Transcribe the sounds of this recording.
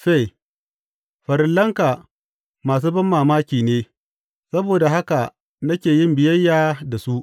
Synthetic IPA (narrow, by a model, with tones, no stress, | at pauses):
ɸe˦˨ | ɸɐ˨ɾɪ˦nlːɐ˦ŋka˨ | maː˨s̬uː˦bɐ˦mːaː˨maː˦kʲiː˨neː˦ | sɐ˦boː˨da˨ɦa˦ka˨ | nɐ˦kʲeː˨jɪ˦mbɪ˨jɐ˦jːaː˨da˨su˦ʔ